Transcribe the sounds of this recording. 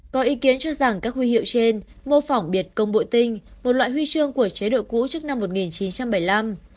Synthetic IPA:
kɔ˨˦ʔi˨˦ki˨˦ənt͡ɕɔ˧za˨˩ŋkaː˦˥k̚hwi˧hḭ˧˨wt͡ɕe˧nmo˧fa˨˩wŋ͡mɓi˨˩ət̚kə˧wŋ͡mɓo̰˧˨t̪ï˧ŋ̟mo˨˩t̚lwa̰ː˧˨jhwi˧t͡ɕɨ˧əŋku˧˩ət͡ɕe˨˦ɗo̰˧˨kṵ˧˥t͡ɕɨ˦˥ək̚na˧mːo˨˩t̚ŋi˨˩nt͡ɕi˨˦nt͡ɕa˧mɓə˧˩jla˧m

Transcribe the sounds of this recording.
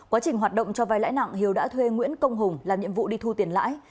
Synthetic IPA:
kwaː˨˦t͡ɕï˨˩ŋ̟ɦwaː˨˩t̚ɗə̰˧˨wŋ͡mt͡ɕɔ˧vaː˧˩jla̰ː˧˥jna̰˧˨ŋhi˨˩əwɗa̰ː˧˥t̪ʰwe˧ŋwḭ˧˥ənkə˧wŋ͡mɦʊ˨˩ŋ͡mlaː˨˩mɲ̰˧˨əmvṵ˧˨ɗi˧t̪ʰu˧t̪i˨˩ənla̰ː˧˥j

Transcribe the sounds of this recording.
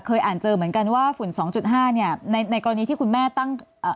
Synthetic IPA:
kʰɤː˧jʔaː˨˩nt͡ɕɤː˧mɯ˩˦ənka˧nwaː˥˩fu˨˩˦nsɔː˩˦ŋt͡ɕu˨˩t̪̚ɦaː˥˩ni˥˩ɐna˧jna˧jkɔː˧ɾa˧niː˧t̪ʰiː˥˩kʰu˧nmɛː˥˩t̪a˥˩ŋʔəː˨˩

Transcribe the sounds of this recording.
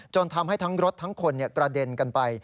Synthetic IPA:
t͡ɕoː˧nt̪ʰa˧mha˥˩jt̪ʰa˦˥ŋɾo˦˥t̪ʰːa˦˥ŋkʰo˧nːi˥˩ɐkɾa˧de˧nka˧npa˧j

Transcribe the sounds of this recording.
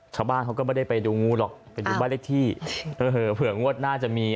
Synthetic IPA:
t͡ɕʰaː˧wbaː˥˩nkʰa˦˥kɔː˥˩mː˥˩da˥˩jpa˧jduː˧ŋuː˧lɔ˨˩k̚pa˧jduː˧baː˥˩le˥˩t̪ʰiː˥˩ʔɤː˧ʔɤː˧pʰɯ˧˩ɐŋu˥˩ət̪̚naː˥˩t͡ɕa˨˩ʔmiː˧

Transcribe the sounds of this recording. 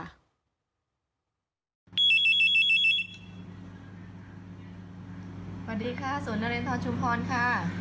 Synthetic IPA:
wa˨˩t̪̚diː˧kʰaː˥˩su˨˩˦nːa˧ɾeː˧nt̪ʰɔː˧nt͡ɕʰu˧mpʰɔː˧nkʰa˧˥˩

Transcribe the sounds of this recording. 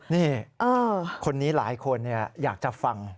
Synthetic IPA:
niː˥˩ʔaː˧˩kʰo˧nːiː˦˥laː˩˦jkʰo˧nːi˥˩ɐjaː˨˩k̚t͡ɕa˨˩fa˧ŋ

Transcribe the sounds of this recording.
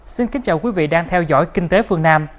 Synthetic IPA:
si˧nki˨˦ŋ̟t͡ɕaː˨˩wkwi˨˦vḭ˧˨ɗaː˧ŋt̪ʰɛ˧wzɔ̰˧˥˨jkï˧ŋ̟t̪e˨˦fɨ˧əŋnaː˧m

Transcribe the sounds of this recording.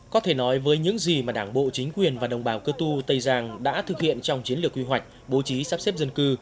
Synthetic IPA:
kɔ˨˦t̪ʰe˧˩nɔ˨˦jvəː˨˦jɲɨ̰˧˥ŋzi˨˩maː˨˩ɗaː˧˩ŋɓo̰˧˨t͡ɕï˨˦ŋ̟kwi˨˩ənvaː˨˩ɗə˨˩wŋ͡mɓaː˨˩wkəː˧t̪u˧t̪ə˧jzaː˧˩ŋɗa̰ː˧˥t̪ʰɨ˨˩k̚hḭ˧˨ənt͡ɕɔ˧wŋ͡mt͡ɕi˨˦ələkwi˧ɦwa˨˩jk̟̚ɓo˨˦t͡ɕi˨˦saː˦˥p̚sɛ˦˥p̚zə˧nkɨ˧

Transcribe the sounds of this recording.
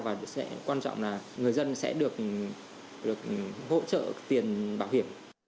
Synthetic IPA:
vaː˨˩sɛ̰˧˥kwaː˧nt͡ɕɔ̰˧˨wŋ͡mlaː˨˩ŋɨ˨˩əjzə˧nsɛ̰˧˥ɗɨ˨˩ək̚ | ɗɨ˨˩ək̚ho̰˧˥t͡ɕə̰ː˧˨t̪i˨˩ənɓaː˧˩whi˧˩əm

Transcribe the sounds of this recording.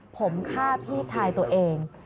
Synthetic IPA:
pʰo˩˦mkʰaː˥˩pʰiː˥˩t͡ɕʰaː˧jt̪u˧ɐʔeː˧ŋ

